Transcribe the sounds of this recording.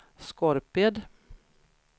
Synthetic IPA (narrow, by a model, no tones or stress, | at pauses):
skɔɾpɪd̪